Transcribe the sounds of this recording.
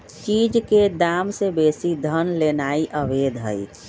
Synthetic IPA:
t͡ʃid͡ʒked̪amsebesid̪ʱənlenaiʔəbed̪ʱɦə̰j

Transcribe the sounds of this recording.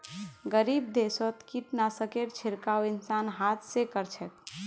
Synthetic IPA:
ɡəɾib̚d̪esɔt̪kiʈnasəkeʈt͡ʃʰɪɾkaoɪnsanɦat̪ʰsekəɾt͡ʃʰɛt̪̚

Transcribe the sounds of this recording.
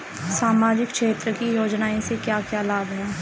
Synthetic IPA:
saːmaːd͡ʒɪkʃeːt̪ɾəkijoːd͡ʒnaːẽsekjaːkjaːlaːɡɦaː

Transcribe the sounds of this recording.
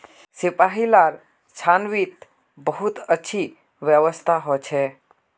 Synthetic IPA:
sipaɦilaɾ | t͡ʃʰanʋit̪ | bəɦut̪ətːʃʰi | ʋjəʋəst̪ʰaɦɔt͡ʃʰɛ

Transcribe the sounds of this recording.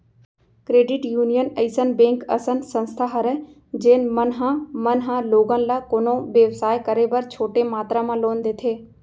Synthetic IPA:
kɾeːɖɪʈjuːnijənɐɪsənbẽːŋkɐ̰sənsə̃nst̪ʰaɦɐɾɛ | d͡ʒeːn̆mɐnɦãmɐnɦãloːɡənɪ̆lakoːnõʋjəʋsaːjkɐɾebɐɾt͡ʃʰoːʈemaːt̪ɾamãːloːnd̪eːt̪ʰeː

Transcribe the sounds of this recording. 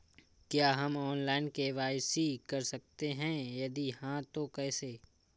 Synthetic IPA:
kjaːɦɐmɔːnlaːɪnkeʋaːɪsikɐɾsɐk̚t̪eɦɛ̃jɐd̪ihãt̪okɛːseː

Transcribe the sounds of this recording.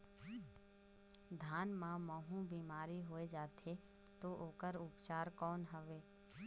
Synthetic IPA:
d̪ʱaːnmãmɔːɦũbiːmaːɾiɦoːed͡ʒaːt̪ʰe | t̪oʔoːkəɾʊpt͡ʃaːɾkɔːnɦəʋeː

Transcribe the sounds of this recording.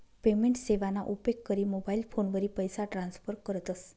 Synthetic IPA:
pemeɳʈseʋanaʔupekkːəɾimobailpʰonʋəɾipəjsaʈɾãnsfəɾkəɾət̪əs

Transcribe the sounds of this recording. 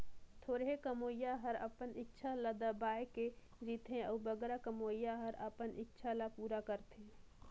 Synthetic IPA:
t̪ʰoːɾɦekəmoːjaɦəɾəpənɪkːt͡ʃʰaləd̪əbaːeke | ɾit̪ɦẽəːbəɡɾakəmoːjaɦəɾəpənʔɪkt͡ʃʰalapuːɾakəɾt̪ɦẽ

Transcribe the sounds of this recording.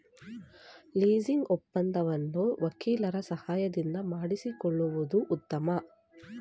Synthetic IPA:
liːd͡ʒiŋɡɔpːɐnd̪ɐʋɐnːuʋɐkiːlɐɾɐsɐhaːjɐd̪ind̪ɐmaːɽisikɔɭːuʋud̪uʔːt̪ːɐmɐ

